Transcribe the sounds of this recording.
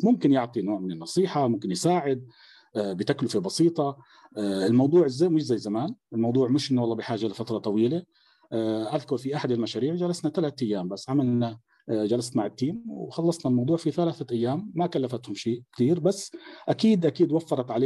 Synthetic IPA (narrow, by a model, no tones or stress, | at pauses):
mʊmkɪnjɪʕt̪ˤinoːʕmɪnɪnːɑsˤiːħamʊmkɪnjɪsaːʕɪd̪̚ | bɪt̪aklʊfebɑsiːt̪ˤɑ | ɪlmɑwd̪ˤuːʕɪzːaːmɪʃzajːzamaːnʔɪlmɑwd̪ˤuːʕmɪʃʔɪnːwɑlˤːɑːbɪħaːʒalɪfat̪ɾˤɑt̪ˤɑwiːle | ʔaðkʊɾˤfiʔaħad̪ɪlmaʃaːɾiːʕd͡ʒalasnat̪alaːt̪ʔajːaːmbasːʕamalna | d͡ʒalast̪maʕɪt̪ːiːmwxɑlːɑsˤnalmɑwd̪ˤuːʕfiθalaːθaʔajːaːmːakalːafat̪hʊmʃiːʔkt̪iːɾbasːʔakiːd̪ʔakiːd̪wafːɑɾˤɑt̪ʕaleː